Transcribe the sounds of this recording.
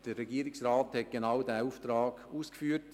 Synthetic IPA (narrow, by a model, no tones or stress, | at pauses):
d̥ərːɛɡiːɾɪksraːthɛt̚ɡ̥enaʊdæːuːft̪ɾɑːɡ̥uːskfyːət